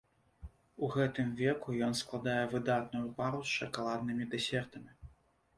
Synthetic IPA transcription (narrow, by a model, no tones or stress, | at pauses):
uɣɛt̪ɨmvʲɛkujɔnsklˠad̪ajɛvɨd̪at̪̚nujupaɾusʲʂɐkalˠad̪̚nɨmʲid̪ɛsʲɛrt̪ɐmʲi